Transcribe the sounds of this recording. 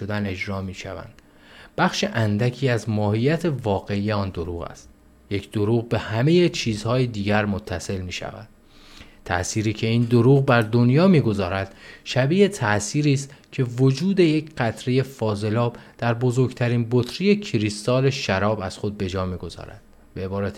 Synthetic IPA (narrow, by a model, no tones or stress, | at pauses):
od̪æne̞d͡ʒɾɒːmiːʃæ̰væ̰nd̪̥ | b̥æχʃe̞ʔænd̪æcʰiːæzmɒːhijæt̪ʰe̞vɒːɣe̞ije̞ɒːnd̪o̞ɾuːɣæ̰st̪ | je̞cʰd̪̥o̞ɾuːɣbe̞hæme̞je̞t͡ʃʰiːzhɒːjed̪iːɟæɾmo̞t̪ʰːæse̞lmiːʃæ̰væ̰d̪̥ | t̪ʰæ̰ʔsiːɾiːcʰe̞iːnd̪o̞ɾuːɣbæɾd̪o̞njɒːmiːɡo̞zɒːɾæd̪̥ʃæbiːet̪ʰæʔsiːɾiːst̪cʰe̞vo̞d͡ʒuːd̪e̞je̞cɢæt̪ʰɾeje̞fɒːze̞lɒːb̥d̪̥æɾbo̞zo̞ɾɡt̪ʰæɾiːnbot̪ʰɾije̞cʰiɾist̪ɒːle̞ʃæɾɒːbæz̥xo̞d̪̚be̞d͡ʒɒːmiːɡo̞z̥ɒ̰ːɾæ̰d̪̥ | beebɒːɾæt̪